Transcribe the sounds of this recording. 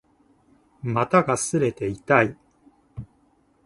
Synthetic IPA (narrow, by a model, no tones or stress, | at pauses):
mat̪aɡasɨɾe̞t̪e̞it̪ai